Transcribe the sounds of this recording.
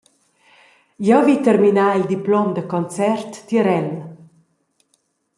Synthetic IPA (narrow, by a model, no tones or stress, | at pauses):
jɛwvit̪əɾminaːild̪iplɔmd̪əkɔnt͡sɛrt̪ːjəɾɛl